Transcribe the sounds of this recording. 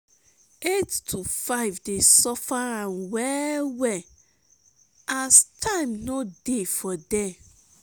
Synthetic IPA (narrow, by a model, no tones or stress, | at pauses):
ettʰufaɪvdesɔfaãnwɛwɛ | astʰãɪmnodefɔdɛ